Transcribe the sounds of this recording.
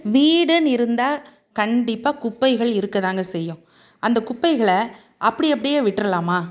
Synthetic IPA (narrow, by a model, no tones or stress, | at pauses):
ʋiːɽɐnɪɾɯnd̪aː | kɐɳɖɪpːaːkʊpːɐɪɣɐɭɪɾɯkːɐðaːŋɡɐsɛjːʊ̃ | ʔɐnd̪ɐkʊpːɐɪɣɐɭɐ | ʔɐpːɐɽɪɐp̬ːɐɽɪjeːʋɪʈːɾɐlaːmaː